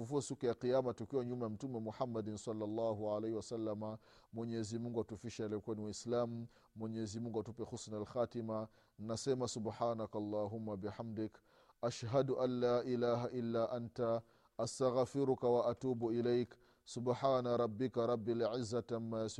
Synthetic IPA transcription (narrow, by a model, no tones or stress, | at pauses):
fufuasukjaqijaːmatukiwoɲumam̩tumemuħamːadinsɑlːalˤːaːɦuʕalehiwasalːama | moɲezimuŋɡuatufiʃalekʷonwislaːmː | oɲezimuŋɡatupexusnalxaːtima | nnːasemasubħaːnakaɑlˤːɑːɦumːabiħamdɪk | ʔaʃɦaduʔalːaːʔilaːɦaʔilːaːʔanta | ʔastaɣfiɾukawaʔatuːbuilajk | subħaːnaɾˤɑbːikaɾˤɑbːilʕizːatamːaas